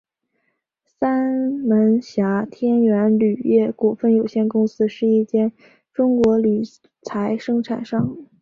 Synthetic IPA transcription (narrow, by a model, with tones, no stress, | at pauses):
sa˥nmə˧˥nɕja˧˥t̪ʰjɛ˥nɥɛ˧˥nly˨˩jɛ˥˩ku˨˩fə˥˩njo˨˩ʊɕjɛ˥˩nkʊ˥ŋsɹ̩˥ʂɻ̩˥˧i˥˩t͡ɕjɛ˥˩n | ʈ͡ʂʊ˥ŋkwɔ˧˥li˨˩ | t͡sʰa˧˥ɪʂɤ˥ŋʈ͡ʂʰa˨˩nʂɑ˥˩ŋ